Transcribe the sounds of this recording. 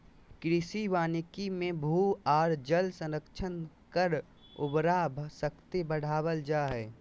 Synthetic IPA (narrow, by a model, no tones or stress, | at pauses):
kɾɪsiʋaːnɪkimẽbʱuːaːɾd͡ʒəlsə̃nɾəkt͡ʃʰən | kəɾ | ʊbɾaːbʱsəkt̪ebəɽ̤aːwəld͡ʒaːɦɛː